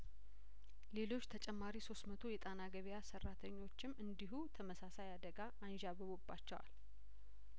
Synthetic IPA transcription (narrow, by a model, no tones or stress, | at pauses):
le̞lo̞t͡ʃːt̪ʰət͡ʃʼɛmːaɾiso̞st̪mət̪ʰo̞jɛt̪ʼanaɡəβjasərːat̪ʰəɲːo̞t͡ʃːɪmːʔɨnd̪iɦut̪ʰəməsasajad̪əɡaʔanʒaβəβobːa̰t͡ʃːɛwa̰l